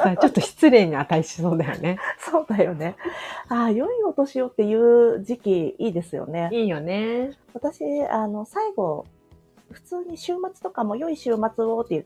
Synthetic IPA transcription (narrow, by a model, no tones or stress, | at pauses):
at͡ɕot̪ːo̞çi̥t͡sɨɾe̞ːɲ̟iat̪aiɕi̥so̞ːd̪ajo̞̰ne̞so̞ːd̪ajo̞ne̞aːjo̞iot̪o̞ɕijo̞t̪ːe̞jɯ̟ːd͡ʑikʲiiːd̪e̞sɨjo̞̰ne̞iːjo̞ne̞βat̪aɕiano̞saiɡo̞ | ɸɯ̥t͡sɨːɲ̟iɕɨːmat͡sɨ̥t̪o̞kamo̞jo̞iɕɨːmat͡sɨo̞t̪ːejɯ